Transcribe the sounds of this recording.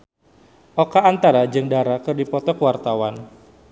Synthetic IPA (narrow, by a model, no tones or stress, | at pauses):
ʔokaːnt̪aɾad͡ʒɨŋdaɾakərdipɔt̪ɔkəwart̪awan